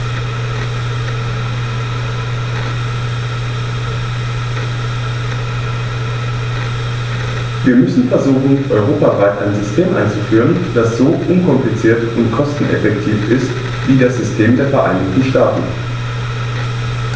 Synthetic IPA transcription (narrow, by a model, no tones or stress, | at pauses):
viːɐmʏsn̩fɛɐzuːxn̩ʔɔʏʁoːpavaɪtʔa̰ɪnzʏstʰeːmʔa̰ɪnt͡sufyːʁənd̥asz̥oːʔʊnkʰɔmplit͡siːɐtʊntkʰɔstn̩ʔɛ̰fɛktʰiːfɪst | v̥iːdaɐsz̥ʏstʰeːmdeːɐfɛɐʔaɪnɪçtn̩ʃtaːtn̩